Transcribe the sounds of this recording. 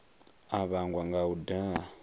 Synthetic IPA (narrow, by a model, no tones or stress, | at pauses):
aβaŋɡwaŋɡaudaa